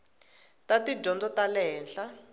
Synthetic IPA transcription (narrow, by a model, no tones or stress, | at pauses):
tatid͡ʒɔnd͡zɔtalɛːnɬa